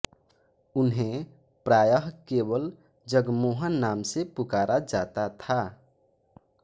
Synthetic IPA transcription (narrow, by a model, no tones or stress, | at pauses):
unɦẽ | pɾajəɦkebəl | d͡ʒəɡmoɦənːamsepukaɾʔad͡ʒat̪at̪ʰa